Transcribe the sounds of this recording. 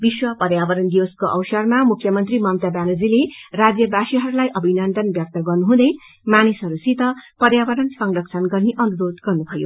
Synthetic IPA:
biswʌpʌɾjabʌɾʌnd̪iwʌskoʔʌ̰wsʌrmamukʰjʌmʌnt̪rimʌmt̪abalod͡zilerad͡zjʌbasiɦʌɾulajʔʌbʱinʌnd̪ʌnbjʌk̚t̪ʌɡʌrnuɦũd̪ʌj | manisʌɾusit̪ʌpʌɾjabʌɾʌnsʌŋrʌk̚t͡sʰʌnɡʌrneʔʌnuɾod̪ɡʌrnubʱʌjo̰

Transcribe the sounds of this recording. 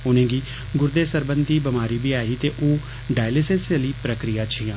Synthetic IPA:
ʊnẽːɡiː | ɡʊɾd̪eːsəɾbənd̪iːbɪmaːɾiːbiːaːɦiːt̪eːʔoː | ɖaːjlɪsẽnseliːpɾəkɾɪjaːt͡ʃʰɪjãː

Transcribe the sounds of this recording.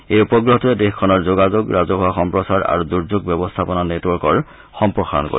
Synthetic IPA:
ejupɔɡɹoɦtɔɛdexkʰɔnɔɹzoɡazoɡɹazɔɦɔaxɔmpɹɔsaɹa̰ɹuduɹzoɡbɛbɔstʰapɔnanetwɔɹkɔɹ | xɔmpɹɔxaɹɔ̰nko̰

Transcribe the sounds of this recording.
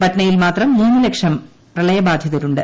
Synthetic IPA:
bɐʈnɐjilmaːt̪rɐmːuːnːɨlekʂɐm | riɭɐjɐbaːd̪ʱjɐðɐɾuɳɖɨ

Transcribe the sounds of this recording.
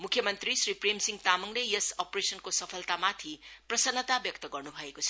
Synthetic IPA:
mukʰjɐmɐnt̪ɾisɾipʰɾemsiŋt̪amɐŋlejesopɾesɐnkosɐpʰɐlt̪amat̪ʰipɾɐsɐnːɐt̪abjɐk̚t̪ɐɡɐɾnubʱaekosʰɐ̥

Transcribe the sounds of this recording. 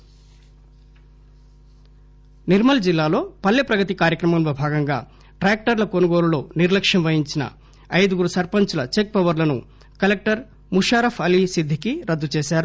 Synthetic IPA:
niɾmɐld͡ʒilːaːlo̞ːpɐlːepɾɐɡɐt̪ikaːɾjɐkɾɐmɐmlobʱaːɡɐŋɡaː | ʈɾaːk̚ʈɐɾlɐkonuɡo̞ːlulo̞ːniɾlɐkʂɐmʋɐjiɲt͡ʃinɐ̰ | ɐjd̪uɡuɾusɐɾpɐɲt͡ʃulɐt͡ʃek̚pɐʋɐɾlɐnṵ | kɐlek̚ʈɐɾ | muʂaːɾɐpʰɐlisid̪ʱːikiɾɐd̪ːut͡ʃeːʃaːɾu

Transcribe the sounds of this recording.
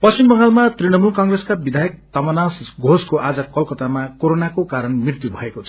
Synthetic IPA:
pʌt͡sst͡ʃimbʌŋɡalmat̪riɽ̃ʌmulkʌŋɡreskabid̪ʱajʌk̚t̪amʌnasɡʱoskoʔad͡zʌkʌlkʌt̪amakoɾonakokaɾʌnmirt̪jubʱʌekot͡sʰʌ̥

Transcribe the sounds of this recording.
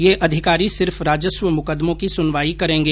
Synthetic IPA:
jeʔɐd̪ʱɪkaːɾisɪɾfɾaːd͡ʒəsʋəmʊkəd̪mõkisʊnʋaːikɐɾẽːŋɡeː

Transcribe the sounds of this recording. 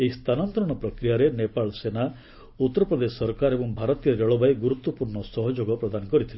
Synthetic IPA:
eist̪ʰanɔnt̪ɾɔɽ̃ɔpɾɔkɾijaɾenepaɭɔsena | ut̪ːɔɾɔpɾɔd̪esɔɾkaɾebɔŋbʱaɾɔt̪ijɔɾeɭɔbaeɡuɾut̪wɔpuɾɳɔsɔɦɔd͡ʒoɡɔpɾɔd̪anɔkɔɾit̪ʰile

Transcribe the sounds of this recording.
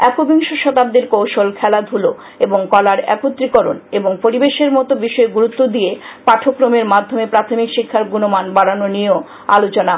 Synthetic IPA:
ɛkobiŋʃoʃɔt̪ab̚d̪eɾkowʃolkʰɛlad̪ʱulo | eboŋkɔlaɾɛ̰kot̪ːɾikoɾo̰neboŋpoɾibeʃeɾmɔt̪obiʃɔeɡuɾut̪ːod̪iepaʈʰokɾomeɾmad̪ʱːomepɾat̪ʰomikʃikʰːaɾɡunomanbaɽanonio | a̰lot͡ɕona

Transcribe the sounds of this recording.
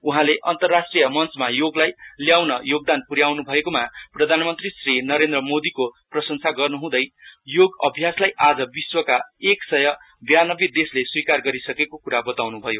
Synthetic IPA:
uɦãleʔʌnt̪ʌrːasʈrijʌmʌnt͡smajoɡlajljawnʌjoɡ̚d̪anpuɾjawnubʱʌekomaprʌd̪ʱanmʌnt̪risrinʌɾend̪rʌmod̪ikoprʌsʌŋsʰaɡʌrnuɦũd̪ʌjjoɡʌbʱjaslajad͡zʌbiswʌkaeksʌjʌ | bjanʌbed̪esleswikarɡʌɾisʌkekokuɾabʌt̪awnubʱʌjo

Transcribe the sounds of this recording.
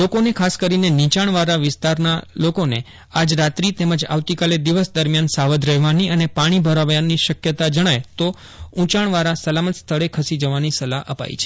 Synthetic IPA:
lokonekʰaskəɾinenit͡ʃaɳ̃ʋaɾaʋɪst̪aɾnalokone | ad͡ʒɾat̪ɾit̪eməd͡ʒa̰ʋt̪ikaled̪iʋəsd̪əɾmjansaʋəd̪ʱɾɛɦʋaniənepaɽ̃ibʱəɾaʋjaniʃəkjət̪ad͡ʒəɽ̃ajt̪o | ũt͡ʃaɳ̃ʋaɾasəlamət̪st̪ʰəɭekʰəsid͡ʒəʋanisəlaʔəpa̰ḭt͡ʃʰe

